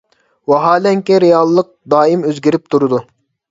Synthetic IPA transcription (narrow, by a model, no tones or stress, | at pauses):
wɑɦɑːlɛŋkʲɛɾejɑlˠːəq̚d̪ɑːimøzɡʲiɾɪp̚t̪ʰuɾɨd̪u